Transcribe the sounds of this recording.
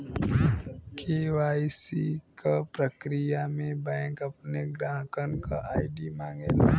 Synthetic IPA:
kʰewaːjsikapɾəkɾijamẽbɛ̃ŋkɐp̚neɡɾaːɦkənkaʔaːɪɖimãːŋɡel

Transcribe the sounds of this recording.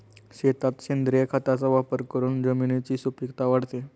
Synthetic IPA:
ɕet̪at̪ɕend̪ɾijəkʰat̪at͡saʋapəɾkəɾuːnd͡zəminet͡ɕiːsupikt̪aʋaɽt̪e

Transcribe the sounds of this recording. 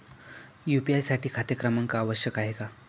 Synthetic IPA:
jupiajsaʈiːkʰat̪jəkɾəmaŋkaːʋəɕjəkaɦeka

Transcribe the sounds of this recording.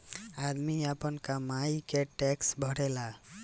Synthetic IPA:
ad̪miapənkamaikeʈɛksbʱɔɽɛla

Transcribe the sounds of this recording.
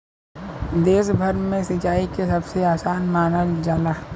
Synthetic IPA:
d̪eːsbʱɐɾmẽsɪt͡ʃaːikesɐbseaːsaːnmaːnəld͡ʒaːlaː

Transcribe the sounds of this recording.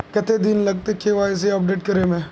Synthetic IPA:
kɛt̪ʰed̪inlɐɡ̚t̪ekeʋaːɪs̬eɐp̚ɖeːʈkɐɾemɛ̃ː

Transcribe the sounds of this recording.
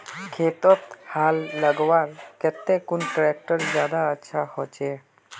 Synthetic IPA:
kʰet̪ɔt̪halːəɡwaɾkɛt̪ːekunʈɾɛk̚ʈəɾd͡ʒjad̪aətːʃʰahɔt͡ʃe

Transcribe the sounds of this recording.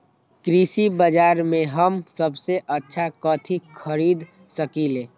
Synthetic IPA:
kɾisibəd͡ʒaːɾmẽɦəmsəbseʔətːʃʰakɔːt̪ʰikʰəɾiːd̪ | səkileː

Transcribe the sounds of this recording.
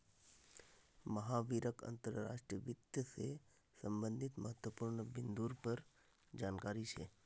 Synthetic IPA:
məɦaʋiɾəkə̰nt̪əɾːa̰ʃʈɾiəʋit̪jəse | səmbənd̪ʱit̪məɦət̪ʋəpuɾɳəbɪnd̪uɾpəɾ | d͡ʒankaɾit͡ʃʰḛ

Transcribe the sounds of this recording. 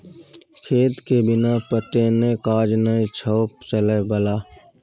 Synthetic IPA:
kʰeːt̪kebɪnaːpət̪enẽːkaːd͡ʒnəĩt͡ʃʰɔːpt͡ʃəleːbəlaː

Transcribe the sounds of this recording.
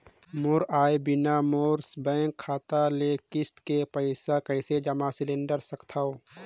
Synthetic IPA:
moɾaːebɪnamoːɾsbɛ̃ːŋkʰːaːt̪alekɪst̪kepəɪsakəɪsed͡ʒəmasɪlɪ̃ɳɖəɾsəkt̪ʰao

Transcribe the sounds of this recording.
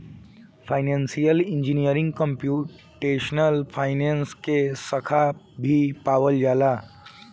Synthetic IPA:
fʰajnansijəliɲd͡ʑinijəɾĩŋɡkəmpju | ʈeʃnəlfʰajnenskesəkʰa | bʱipaʋəld͡ʒala

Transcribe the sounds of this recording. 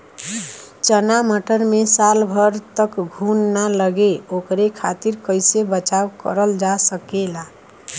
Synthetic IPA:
t͡ʃənaməʈəɾmesalbʱəɾt̪əkɡʱunːaləɡeokɾekʰat̪iɾkəjsebət͡ʃawkə̰ɾəld͡ʒasəkela

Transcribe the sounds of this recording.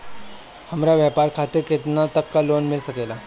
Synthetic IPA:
həmɾjaʋjapaɾkʰat̪iɾket̪nat̪əkːalonmilsəkela

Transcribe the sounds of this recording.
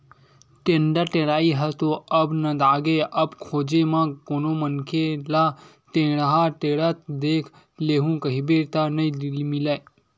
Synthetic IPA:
ʈẽɳɖəɾʈeɽaːiɦət̪oəbnə̃d̪aːɡeʔəbkʰoːd͡ʒemãkoːnomənkʰela | t̪ẽɽaɦãʈeɽət̪̚d̪eːkʰ | leːɦũkəɦibeɾt̪anəidiimilaj

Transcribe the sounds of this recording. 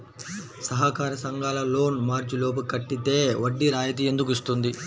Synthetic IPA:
sɐɦɐkaːɾɐsɐŋɡaːlɐlo̞ːnmaːɾt͡ʃiloːp̬ɐkɐʈːit̪e̞ːʋɐɖːiɾaːjɐt̪̬ie̞nd̪ukist̪und̪i

